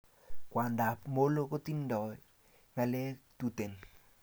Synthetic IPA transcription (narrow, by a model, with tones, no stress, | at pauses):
kwa˨nda˨pmo˦lo˦ko˦ti˦ndɔ˨ | ŋa˦le˦tu˦te˨n